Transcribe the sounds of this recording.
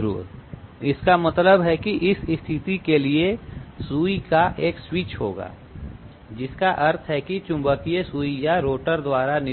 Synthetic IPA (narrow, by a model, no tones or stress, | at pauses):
ɾṵːɾɪskamɐt̪ləbɦɛkiʔɪsɪst̪ʰɪt̪ikeliesuːikaʔeːkswiːt͡ʃɦo̰ːɡa̰ː | d͡ʒɪskaʔɐɾt̪ʰɦɛkit͡ʃʊ̃mbəkiesuːijaɾoːʈəɾd̪waːɾanɪ